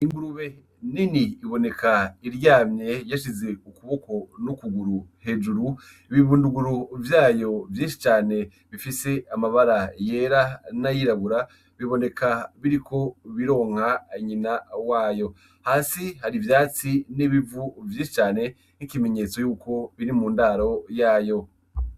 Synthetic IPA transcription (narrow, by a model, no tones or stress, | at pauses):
iŋɡuɾuβe̞ | niniːβo̞ne̞kaiɾjaːmɲe̞jaʃ̬ize̞ukuβo̞ko̞nukuɡuɾuhe̞d͡ʒuɾu | iβivunduɡuɾuvjaːjo̞vjiːnʃi̥t͡ʃaːne̞ | βifise̞amaβaɾaje̞ːɾanajiɾaβuɾa | βiβo̞ne̞kʰaβiɾikʰo̞βiɾo̞ːŋ̥haiɲinawaːjo̞ | haːsihaɾivjaːt͡siniβivuvjiːnʃi̥t͡ʃaːne̞ | nikime̞ɲe̞ːt͡so̞juːko̞βiɾimuːndaːɾo̞jaːjo̞